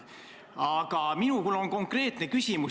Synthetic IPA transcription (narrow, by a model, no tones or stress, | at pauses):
ɑɡ̥ɑminukylːo̞nko̞ŋkre̞ːt̪ne̞kysimu